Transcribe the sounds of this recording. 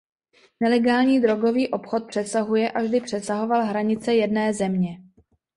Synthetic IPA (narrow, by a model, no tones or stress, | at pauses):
nɛlɛɡaːlɲiːd̪ɾo̞ɡo̞viːʔo̞pxo̞t̪̚pr̥ɛsaɦujɛʔavʒdɪpr̝̥ɛsaɦo̞valɦɾaɲɪt͡sɛjɛdnɛːzɛmɲɛ